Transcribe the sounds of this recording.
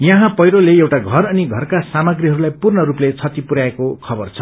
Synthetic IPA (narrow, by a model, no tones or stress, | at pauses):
jʌɦãpʌjɾoleewʈaɡʱʌrʌniɡʱʌrkasamʌɡriɦʌɾulajpurnʌɾuplet͡sʰʌt̪ipuɾaekokʰʌbʌrt͡sʰʌ